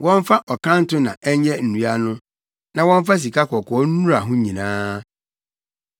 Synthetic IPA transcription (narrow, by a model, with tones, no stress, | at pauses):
wɔ̃˦ɱ˦fa˦ʔɔ˨kʰã˦n˦tʊ˦nã˨ʔɛ˦ɲɛ˦n̩˨ũ˨a˦nʊ̃˦ | nã˨wɔ̃˦ɱ˦fa˦s̬i˨kʰa˦kɔ˨kʰɔ˨˦n̩˦ũ˦ɾa˨ɦʊ̃˦ɲĩ˨nãː˦